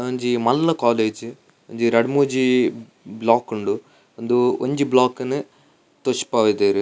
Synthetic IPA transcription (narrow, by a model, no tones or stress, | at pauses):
oɲd͡ʒimɐlːɐkaːleːd͡ʒ | oɲd͡ʒiɾɐɽmuːd͡ʒi | blaːkuɳɖu | ond̪uoɲd͡ʒiblaːkɐnːu | t̪oʂpaːʋid̪eːɾi